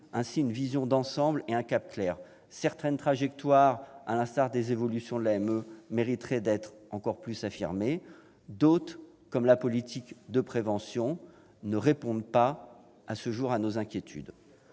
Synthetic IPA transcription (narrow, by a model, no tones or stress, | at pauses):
ɛ̃siynvizjɔ̃d̪ɑ̃sɑ̃bleɛ̃kʲap̚klɛːʁ | sɛʁt̪ɛnt̪χaʒɛk̚t̪waʁa̰lɛ̃st̪aʁd̪ezevɔlysjɔ̃d̪əlaɛmømeʁit̪χɛd̪ɛt̪χɑ̃kɔʁplysafḭʁme | d̪ot̪χ | kɔmlapɔlit̪ʰikd̪əpχevɑ̃sjɔ̃ | nəʁepɔ̃d̪pa | asəʒuʁanozɛ̃kʲjet̪ʰy̰d̪